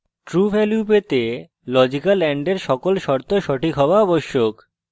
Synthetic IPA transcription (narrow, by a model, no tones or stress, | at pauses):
ʈɾufeljupet̪e | lɔd͡ʑikalːɛɳɖeɾʃɔkolʃɔɾt̪oʃɔʈʰikɦɔoaɔboʃːok